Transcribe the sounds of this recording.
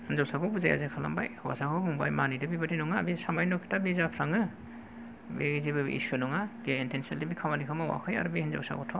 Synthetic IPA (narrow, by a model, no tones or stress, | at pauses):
hɯnzawsakɔbuzaja̰zekʰala̰mba̰jhwa̰sakʰɔbuŋbajmanidɯbibatinɔŋabisamajnɔkʰi̥tabizapʰɾaŋɯ | beɡizibɯ̰ʔḭsunɔŋaɡeintʰensinalibikʰawmanikʰamawa̰kʰɯja̰ɾbihɯnzɔ̰wsa̰kɔtʰɔ